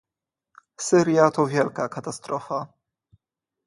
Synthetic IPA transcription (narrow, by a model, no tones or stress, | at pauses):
sɘɾjat̪ɔvʲjɛlkakat̪ast̪ɾɔfa